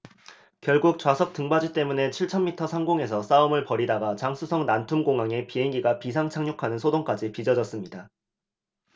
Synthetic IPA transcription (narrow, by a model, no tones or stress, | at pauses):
kjʌɭɡuk̚t͡ɕwasʰʌk̚t͈ɯŋbad͡ʑut͈e̞mune̞t͡ɕʰiɭt͡ɕʰʌnmitʰʌsʰaŋɡoŋe̞sʰʌs͈aɯmɯɭpʌɾidaɡat͡ɕaŋsʰusʰʌŋnantʰumɡoŋɦaŋe̞piɦeŋɡiɡapisʰaŋt͡ɕʰaŋɲokʰanɯnsʰodoŋk͈ad͡ʑipid͡ʑʌd͡ʑʌs͈ɯmɲida